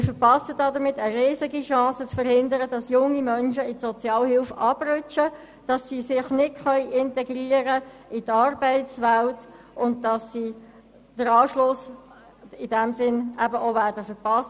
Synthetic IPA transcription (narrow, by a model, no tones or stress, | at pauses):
mɪfəɾpɑsədɑdəɾmɪtːəɾɪːzɪɡiʃɑ̃ːsət͡sfəɾhɪndəɾəd̥ɑsjʊŋːimœnʃəɪtsɔt͡sjɑːlhɪlfɑb̥rʏt͡ʃə | d̥ɑsːisɪχnɪtχœʏʔɪntɛɡriːəɾəitɑrbɛɪtsʋælt | ʊnt̚d̥ɑsːiː | d̥əɾɑːʃlʊs | ɪd̥ɛmsɪnʔæbəʔovæːɾdəfəɾpɑst